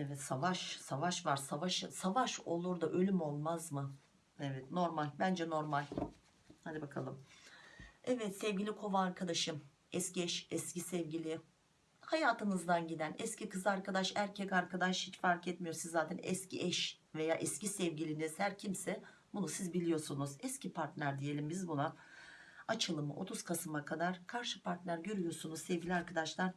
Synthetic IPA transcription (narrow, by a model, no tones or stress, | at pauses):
ɛvɛt̪savaʃsavaʃvaɾsavaʃɯsavaʃo̞lˠuɾd̪aʔø̞lʲymo̞lˠmazmɯ | ɛvɛt̪no̞ɾmalʲbænd͡ʒɛno̞ɾmalʲ | had̪ibakʰalˠɯm | ɛvɛt̪sɛvɟilʲikʰo̞vaːɾkʰad̪aʃɯm | ɛsciɛʃɛscisɛvɟilʲɪ | hajaːt̪ʰɯnɯzd̪anɟid̪ænɛscikɯzɯaɾkad̪aʃæɾcʰɛcaɾkad̪aʃhit͡ʃfaɾkɛt̪mijo̞ɾsizːaːt̪ʰɛnɛ̰scʰḭʔɛʃve̞jaːʔɛscisɛvɟilʲiːniz̥hæɾcʰimsɛ | bunusizbilʲijo̞ɾsunuzɛscipʰaɾt̪lʲæɾd̪ije̞lʲimbizbuna | at͡ʃʰɯlˠɯmɯʔo̞̰t̪ʰuz̥kʰasɯmakʰad̪aɾ̥kʰaɾʃɯpʰaɾt̪lʲæɾɟø̞ɾyjo̞sunuzsɛvɟilʲiaɾkʰad̪aʃlˠaɾ̥